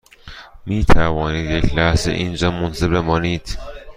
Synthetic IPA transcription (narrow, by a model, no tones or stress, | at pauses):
miːt̪ʰævɒːniːd̪jecʰlæhzḛʔind͡ʒɒːmonsebemɒːniːd̪̥